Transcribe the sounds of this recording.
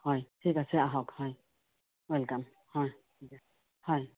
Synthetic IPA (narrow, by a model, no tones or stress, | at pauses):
hɔ̃jsikasʔaɦokhɔ̃j | wəlkam | hɔ̃j | hɔ̃j